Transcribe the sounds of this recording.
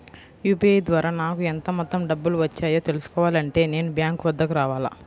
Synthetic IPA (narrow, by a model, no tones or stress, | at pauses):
juːpiɐjd̪ʋaːɾaːnaːkuɛnt̪ɐmɔt̪ːɐmɖɐbːuluʋɐt͡ʃːaːjoːt̪elusu̥kɔːʋaːlɐɳʈe̞ːne̞ːnubjaːŋkʋɐd̪ːɐkuɾaːʋaːla̰ː